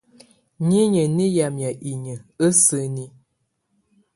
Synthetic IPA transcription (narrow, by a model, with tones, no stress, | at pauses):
ɲi˦ɲə˨ni˦ja˨mja˨ʔi˨ɲə˨ə˦sə˦ni˦